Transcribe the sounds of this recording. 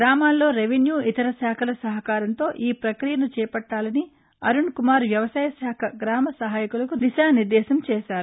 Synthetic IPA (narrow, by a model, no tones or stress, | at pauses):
ɡɾaːmaːlːo̞ːɾeʋenjuːʔit̪ɐɾɐsaːkʰɐlɐsɐɦɐkaːɾɐnt̪o̞ːʔiːpɾɐkɾijɐlut͡ʃɛːɐpɐʈːaːlɐni | ɐɾuɳkumaːɾʋjɐʋɐsaːjɐsaːkʰɐɡɾaːmɐsɐɦaːjikulɐkud̪iʃaːniɾd̪ɛːʃɐmt͡ʃɛːʃaːɾu